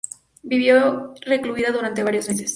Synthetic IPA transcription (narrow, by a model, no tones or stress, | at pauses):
biβjore̞kluiðaðuɾant̪e̞βaɾjo̞zme̞s̬e̞s